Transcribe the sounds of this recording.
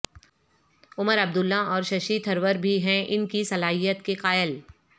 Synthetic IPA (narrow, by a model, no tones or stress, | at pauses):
ʊməɾɐb̚d̪ʊlːaɔːɾʃɐʃit̪ʰɐɾʋəɾbʱiɦɛ̃ʔɪnkisɐlaːɦijət̪keqaːjəl